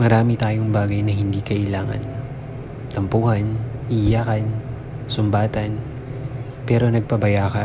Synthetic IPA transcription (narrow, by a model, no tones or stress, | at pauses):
mɐɾaːmɪt̪aːjoŋbaːɡɐjnɐhɪnd̪iːkɐʔɪlaːŋɐ̰n | t̪ɐmpuːhɐnʔijaːkɐn | sʊmbaːt̪ɐn | pɛːɾo̞nɐɡ̚pɐbɐjaːkɐ